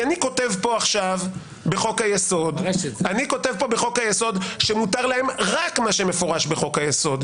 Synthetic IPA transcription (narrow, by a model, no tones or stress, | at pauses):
aniko̞te̞vpo̞aχʃav | be̞χo̞kajeso̞d̪aniko̞tevpo̞beχo̞kajeso̞dʃemutaʁlae̞mʁakmaʃe̞me̞fo̞ʁaʃbe̞χo̞kajeso̞d